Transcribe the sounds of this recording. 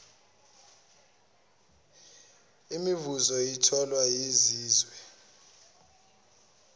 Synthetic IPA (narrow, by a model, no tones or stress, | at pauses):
imivuzɔjitʰɔlwajiziːzwɛ